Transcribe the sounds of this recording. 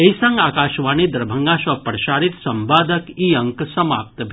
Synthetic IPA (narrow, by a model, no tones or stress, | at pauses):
eisɐ̃ŋɡaːkaːʃʋaːnid̪ɐɾbʱɐŋɡaːʃɐpəɾʃaːɾit̪sɐmbaːd̪ʱəkiːɐ̃ŋksɐma̰ːp̚t̪bʱ